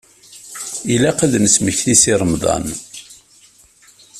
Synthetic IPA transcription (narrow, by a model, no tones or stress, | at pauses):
ilæqəðnəsməçθisiɾˤəmðˤɑ̰n